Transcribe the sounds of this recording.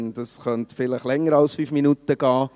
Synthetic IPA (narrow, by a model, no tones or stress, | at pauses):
nd̥ɑsχœntfɪləχlɛŋːəɾɑlsfyfminutəɡ̥ɑː